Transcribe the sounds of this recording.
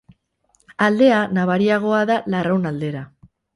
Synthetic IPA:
ald̪e̞anaβ̞aɾiaɣ̞o̞aðalarawnald̪e̞ɾa

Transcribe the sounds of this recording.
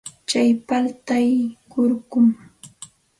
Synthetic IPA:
t͡ʃajpalt̪ajkʊɾkʊm

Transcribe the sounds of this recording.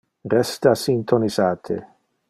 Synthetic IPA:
rɛst̪asint̪ʰonizaːt̪ʰḛ

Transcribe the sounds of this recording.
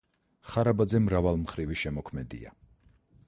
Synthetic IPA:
χaɾabad̪zɛmɾavalˠmχɾiviʃɛmɔkʰmɛd̪ḭa̰

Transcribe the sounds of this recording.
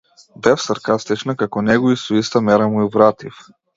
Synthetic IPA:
d̪ɛfsaɾkast̪ɛt͡ʃnakakɔnɛɡɔist̪ɔist̪amɛɾamuivɾat̪if

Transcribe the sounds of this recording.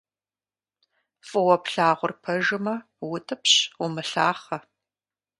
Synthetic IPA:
fʼɨwɐpɬaːʁʷʊrpʰɐʒɨmɐ | wʊtʰɨpɕʊmɨɬaːχɐ

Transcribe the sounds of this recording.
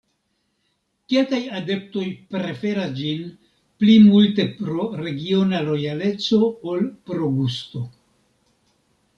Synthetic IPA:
ke̞kajade̞p̚to̞jpɾe̞fe̞ɾasd͡ʒin | plimulte̞pɾo̞ɾe̞ɡio̞nalo̞jale̞t͡so̞olpɾo̞ɡusto̞

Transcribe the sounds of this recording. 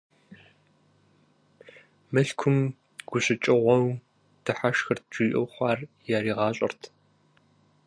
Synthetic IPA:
mɨɬkʷʰʊm | ɡ̥ʷʊɕʼɪt͡ʃʼɪʁʷɔw | d̥ɨħaʃxɐrt̚d͡ʒiːʔɐwχʷɑːrjaːɾiːʁɑːɕʼɐ̰rtʰ

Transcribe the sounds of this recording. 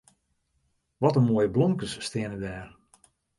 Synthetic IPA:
ʋɔtənmoəjəblɔŋkəsːtɪənədɛːr

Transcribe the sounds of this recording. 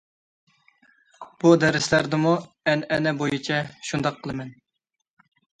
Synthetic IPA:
b̥ud̪ɛɾɪslæɾd̪ɪmu | ɛnɛnɛbojit͡ʃʰɛʃund̪ɑqʰːəlˠɨmɛn

